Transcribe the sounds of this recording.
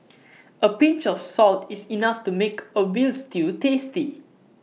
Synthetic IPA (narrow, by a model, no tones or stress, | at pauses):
əpĩnt͡ʃɔfsɔltisinaftumekəwilstitesti